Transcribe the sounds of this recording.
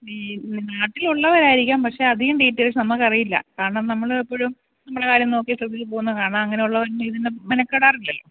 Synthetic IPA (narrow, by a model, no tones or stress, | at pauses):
naːʈːiluɭːɐʋɐɾaːjiɾikʲːaːmpɐkʂe̞ɐd̪ʱiɣɐmɖiːtːɐɾisnɐmːɐɭkɐrijilːɐ̰kaːɐɳaːmnɐmːɐɭepːo̞ːɻum | nɐmːuɽekaːɾjɐmno̞ːkːisrɐd̪ʱit͡ɕːɨpo̞ːɣunːkaːɳaːmɐŋːɐneuɭːɐʋɐɾnːiðinːemɐnɐkːeɽaːrilːɐlːo̞̰ː